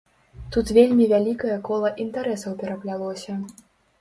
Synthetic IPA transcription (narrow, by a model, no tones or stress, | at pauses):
t̪ut̪vʲelʲmʲivʲalʲikɐjɐkɔlˠɐʔint̪aɾɛsɐwpʲɛɾɐplʲalˠɔsʲɐ